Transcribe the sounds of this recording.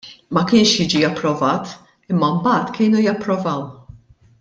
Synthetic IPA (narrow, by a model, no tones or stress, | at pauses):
mɐkɪːnʃjɪːd͡ʒiɐpːɾɔvɐːt̪ | ɪmːɐmbɐːt̪kɪːnujɐpːɾɔvɐw